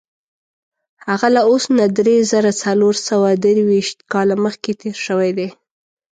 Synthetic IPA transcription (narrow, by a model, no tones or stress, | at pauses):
haɣalaosnad̪ɾezəɾat͡saloɾsawad̪əɾwiʃt̪kɑlaməxket̪eɾʃəwajd̪e